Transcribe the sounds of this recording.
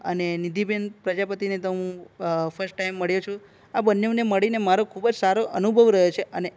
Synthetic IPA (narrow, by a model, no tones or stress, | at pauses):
ə̰nenid̪ibenpɾəd͡ʒapət̪inet̪əɦũfʰəɾsʈʈaijmːəɭjut͡ʃʰu | abənːeneməɭinemaɾokʰubəd͡ʒsaɾoʔənubʱəʋɾəɦjot͡ʃʰeʔəne